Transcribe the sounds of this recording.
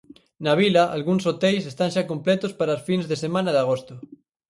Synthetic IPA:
naβ̞ilaʔalɣuŋsot̪ejsest̪anʃakomplɛt̪ospaɾaosfinzðesemãnaðaɣ̞ost̪o

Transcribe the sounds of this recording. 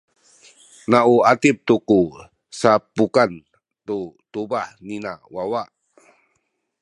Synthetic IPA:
nauat̪ip̚t̪uku | sapukan | t̪ut̪ubahnina̰wawaʔ

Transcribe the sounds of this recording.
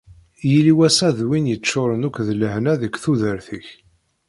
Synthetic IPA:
jiliwæsæðwinjət͡ʃːʊɾənukʷːðləhnæðəkθuðəɾθəç

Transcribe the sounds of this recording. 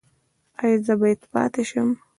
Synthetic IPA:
ajzəbat̪pɑ̰t̪eʃəm

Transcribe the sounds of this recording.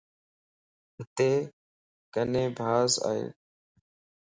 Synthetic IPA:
ɦɪt̪eː | kənẽːbʱaːza̰ːɦḛː

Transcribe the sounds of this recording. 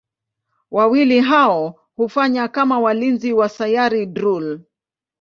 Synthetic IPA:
wʔawiliɦaɔ | hufaɲakamawalinziwasajaɾidɾul

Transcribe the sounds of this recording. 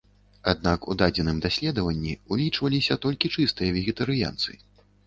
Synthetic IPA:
ad̪nakud̪ad͡zʲɛnɨmd̪asʲlʲɛd̪ɐvɐnʲːiulʲit͡ʂvɐlʲisʲɐt̪ɔlʲkʲit͡ʂɨst̪ɨjɐvʲɛɣʲɛt̪ɐɾɨja̰nt̪sɨ̰

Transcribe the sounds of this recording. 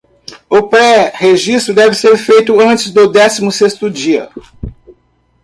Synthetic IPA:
ʊpɾɛheʒist̪ɾʊd̪ɛvɪseɾfejt̪ʊɐ̃t͡ʃɪzd̪ʊd̪ɛsimʊsest̪ʊd͡ʒiɐ̰

